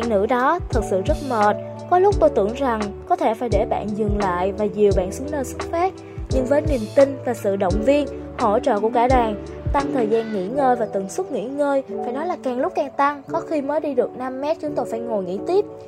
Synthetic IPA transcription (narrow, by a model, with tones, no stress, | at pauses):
a̰ː˧˨ŋnɨ̰˧˥ɗɔ˨˦t̪ʰɨ˨˩t̚sɨ̰˧˨zə˦˥t̚məː˨˩t̚ | kɔ˨˦lʊ˦˥k͡p̚t̪o˧jt̪ɨ˧˩əŋza˨˩ŋkɔ˨˦t̪ʰe˧˩faː˧˩jɗe˧˩ɓa̰ː˧˨nzɨ˨˩ŋla̰ː˧˨jvaː˨˩zi˨˩əwɓa̰ː˧˨nsu˨˦əŋnəː˧swə˦˥k̚fɛ˦˥p̚ | ɲɨ˧ŋvəː˨˦jni˨˩əmt̪ï˧ŋ̟vaː˨˩sɨ̰˧˨ɗə̰˧˨wŋ͡mvi˧ən | ho̰˧˥t͡ɕə̰ː˧˨ku˧˩əkaː˧˩ɗaː˨˩ŋ | t̪a˧ŋt̪ʰəː˨˩jzaː˧nŋḭ˧˥ŋəː˧jvaː˨˩t̪ɨ˧˩ŋswə˦˥t̚ŋḭ˧˥ŋəː˧jfaː˧˩jnɔ˨˦jlaː˨˩kaː˨˩ŋlʊ˦˥k͡p̚kaː˨˩ŋt̪a˧ŋkɔ˨˦xi˧məː˨˦jɗi˧ɗɨ˨˩ək̚na˧mːɛ˦˥t̚t͡ɕʊ˨˦ŋ͡mt̪o˧jfaː˧˩jŋo˨˩jŋḭ˧˥t̪i˦˥əp̚